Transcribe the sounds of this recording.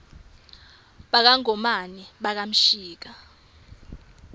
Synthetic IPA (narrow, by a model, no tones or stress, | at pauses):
ɓak̬aŋɔmaniɓak̬am̩ʃiːk̬a